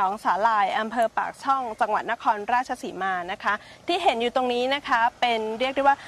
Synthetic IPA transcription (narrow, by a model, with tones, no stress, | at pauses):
ɔː˩˦ŋsaː˩˦laː˧jʔa˧mpʰɤː˧pa̰ː˨˩k̚t͡ɕʰɔ˥˩ŋt͡ɕa˧ŋwa˨˩t̪̚na˦˥kʰɔː˧nɾaː˥˩t̪̚t͡ɕʰa˧siː˩˦maː˧na˦˥kʰa˦˥ | t̪ʰiː˥˩ɦe˩˦njuː˨˩t̪o˧ŋniː˦˥na˦˥kʰa˦˥pe˧nɾi˥˩k̚da˥˩waː˥˩